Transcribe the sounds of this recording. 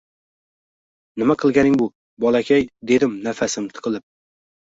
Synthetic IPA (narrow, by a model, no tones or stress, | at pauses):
nɪmaqʰɨlˠɡʲanɪŋbʊ | bɒlˠakʲʰajd̪e̞d̪ɪmnafasɪmt̪ʰɨ̥qʰɨlˠɪp̚